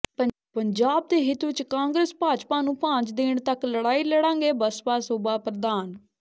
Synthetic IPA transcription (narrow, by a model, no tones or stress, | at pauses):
ə | pəɲd͡ʒaːb̚d̪eːɦɪt̪ːɪt͡ʃkãːŋɡɾeːspaːt͡ʃpaːnũːpãːt͡ʃd̪ɪɳt̪əkləɽaːiːləɽãːŋɡeːbəspaːsoːbaːpɾəd̪aːn